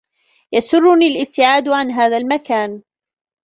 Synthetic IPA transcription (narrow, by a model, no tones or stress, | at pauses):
jasʊrːʊniːlʔɪb̚t̪ɪʕaːd̪ʕanɦaːðalmakaːn